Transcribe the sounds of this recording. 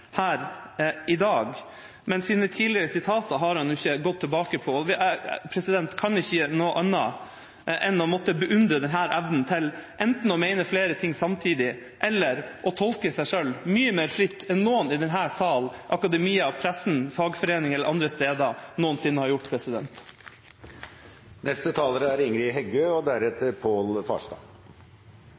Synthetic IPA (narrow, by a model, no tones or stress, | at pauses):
hæːɾɪd̪ɑːɡ | mɛnsiːnət̪ʰiːlɪəɾəsɪt̪ʰɑːt̪əɦɑɾhɑnjʊɪçːəɡɔt̪ʰːɪlbɑːkəpʰɔɔʋpʰɾɛsɪd̪ɛnt̪kʰɑnɪçːənoːʔɑnːɑ̰ | ʔɛnːɔmɔt̪ːəbəʔʉnd̪ɾəd̪ɛnɦæːɾʔæʋnn̩t̪ʰɪlʔɛnt̪n̩ɔmeɪnəfleːɾət̪ʰɪŋːsɑmt̪ʰiːd̪ɪ | ʔɛlːəɾʔɔt̪ʰɔlkəsæɪʂølmyːəmeːɾfɾɪt̪ːɛnnoːənɪd̪ɛnɦæːsɑːlʔɑkɑd̪ɛmiːɑpʰɾæsn̩fɑːɡfɔɾeːnɪŋɛlːəɾʔɑnd̪ɾəst̪eːd̪ɑnuːənsɪnːəhɑɾjʊʈːpʰɾɛsɪd̪ɛnt̪ | nʔɛst̪ət̪ʰɑːləɾəæɾɪŋɾɪɦɛɡøːɔd̪æɾɛt̪əɾpʰoːlfɑ̰ːʂt̪ɑ̰ː